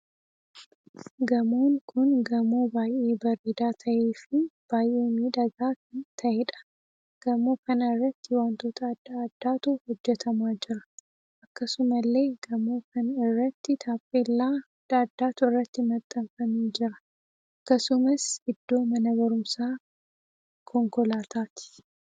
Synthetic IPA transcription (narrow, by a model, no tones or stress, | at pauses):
ɡɐmoːŋkʰʊnɡɐmoːbaːjʔeːbɐɾeːd̪aːt̪ʰɐʔeːfɪb̥aːjʔeːmiːd̪ɐɡaːkt̪ʰɐʔɛᶑɐ̥ | ɡ̥ɐmoːkɐnɐɪrːɐt̪ːɪwaːnt̪oːt̪ʰɐːd̪ːaɐd̪̥ːaːt̪uhɔd͡ʒːɛt̪ʰɐmaːd͡ʒɪɾɐ̥ | ʔɐkːɐsʊmɐlːe̞ːɡɐmoːkʰɐnɪrːɐt̪ːɪt̪ʰaːpʼːeːlːaː | d̪̥aːd̪ːaːt̪ʊɪrːɐt̪ːɪmɐt̪ʼːɐɱfɐmeːd͡ʒɪɾɐ | ʔɐkːɐsʊmɐsɪd̪ːo̞ːmɐnɐbɐɾʊmsaː | kʰɔŋkɔlaːt̪ʰaːt̪ɪ̥